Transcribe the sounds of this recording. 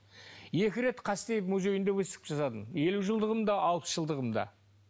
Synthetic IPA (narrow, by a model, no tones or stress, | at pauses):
je̞kʲɪɾe̞t̪qʰɑst̪e̞jɪpmuzʲe̞jɪnd̪ewɵse̥t̪ʲɪ̥pʒɑsɑt̪əne̞luʒəlˠd̪əʁəmd̪ɑʔɑlˠpə̥sʒəlˠd̪əʁəmd̪ɑ̰